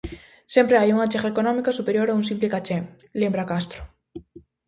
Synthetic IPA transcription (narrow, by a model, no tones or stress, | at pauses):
sempɾeajuŋat͡ʃexaekonõmikasupeɾjoɾauŋsimplekat͡ʃe | lembɾakast̪ɾo̥